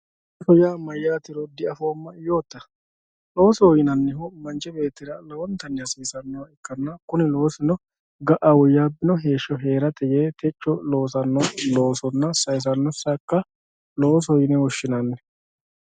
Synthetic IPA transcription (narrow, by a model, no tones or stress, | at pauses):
fɔjaːmɐjːaːt̪ɪɾɔd̪ɪʔɐfoːmːɐɪjo̞ːt̪ːɐ | lo̞ːsɔwjɪnɐnːɛɦɔmɐnt͡ʃɛbe̞ːt̪ːɪɾɐlɐwɔnt̪ɐnːɛɐsiːsɐnːɔwɐɪkːɐnːɐkʊnɪlo̞ːsɪnɔ | ɡɐʔɐwɔjːaːbɪnɔɦe̞ːʃːɔɦeːɾɐt̪ɛjeːt̪ʰɛt͡ʃːɔlo̞ːsɐnːɔlo̞ːsɔnːɐsɐjs̬ɐnːɔsɐkːɐ | lo̞ːs̬ɔjɪnɛwɔʃːɪnɐnːɛ